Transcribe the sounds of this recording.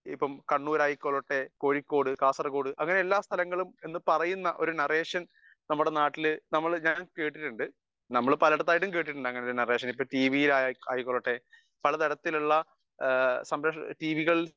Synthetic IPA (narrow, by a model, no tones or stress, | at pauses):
ḭpːɐmkɐɳːuːɾaːjikːoɭoʈːe̞ko̞ːɻikːo̞ːɽɨkaːsɐrɐkoːɽɨʔɐŋːɐneelːaːst̪ʰɐlɐŋːɐɭume̞nːɨpɐrɐjunːɐʔo̞ɾunɐreːʂɐn | nɐmːuɽe̞naːʈːilɨnɐmːɐɭɲaːnkeːʈːiʈːuɳɖɨ | nɐmːɐɭpɐlɐɽɐt̪ːaːjʈ̬ːumke̞ːʈːiʈːuɳɖɨɐŋːɐneoɾunɐre̞ːʂɐnipːɐʈiːʋijilajaːjikːoɭːoʈːe̞ː | pɐlɐðɐɽɐt̪ːiluɭːɐ | sɐmbɾɐʂʈiːʋiɣɐɭ